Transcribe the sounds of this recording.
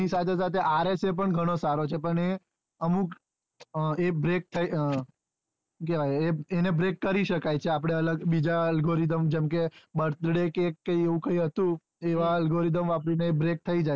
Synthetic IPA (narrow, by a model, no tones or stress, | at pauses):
isat̪ʰesat̪ʰeʔaɾesep̬əɳɡʱəɽ̃osaɾot͡ʃʰepəɳe | əmuk | ebɾek̚t̪ʰə | keʋaeenebɾekːəɾiʃəkajt͡ʃʰeap̬ɽ̃eələɡbid͡ʒaəlɡoɾid̪əmd͡ʒemkebəɾt̪ɽekekːəjeʋũkəjɦət̪ũ | eʋaəlɡoɾid̪əmʋapɽineebɾek̚t̪ʰəid͡ʒaj